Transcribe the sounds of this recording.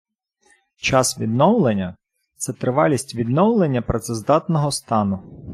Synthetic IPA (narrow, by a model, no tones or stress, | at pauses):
t͡ʃɑsʋʲid̪nɔwlˠenʲːɐ | t̪sɛt̪ɾɪʋɑlʲisʲtʲʋʲid̪nɔwlˠenʲːɐpɾɔt̪sɛzd̪ɑt̪nɔɦɔst̪ɑnʊ